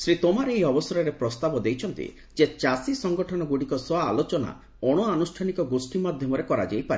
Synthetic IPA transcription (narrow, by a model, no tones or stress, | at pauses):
sɾit̪omaɾeejɔbɔsɔɾɔɾepɾɔst̪abɔd̪ejt͡ʃʰɔnt̪ḭ | d͡ʒet͡ʃasisɔŋɡɔʈʰɔnɔɡuɽikɔswɔa̰ːlot͡ʃɔna̰ | ɔɽ̃ɔanusʈʰanikɔɡosʈimad̪ʱjɔmɔɾekɔɾa̰d͡ʒajpae